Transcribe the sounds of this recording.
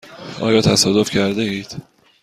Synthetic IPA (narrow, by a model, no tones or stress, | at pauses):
ɒ̰ːjɒːt̪ʰæsɒːd̪ofcʰæɾd̪eiːd̪̥